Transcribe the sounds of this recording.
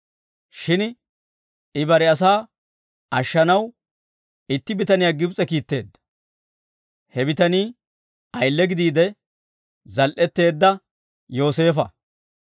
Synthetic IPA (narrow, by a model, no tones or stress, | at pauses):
ʃɪn | ɪbɐɾɛɐs̬aː | ɐʃːɐnɐw | ɪt̪ːɪbɪt̪ɐnɪjaːɡɪbt͡sʼɛkiːt̪ːe̞̰ːd̪ːɐ̥ | hɛbɪt̪ɐniː | ɐjlːɛɡɪd̪iːd̪ɛ | zɐlʔɛt̪ːe̞ːd̪ːɐ | jo̞ːse̞ːfɐ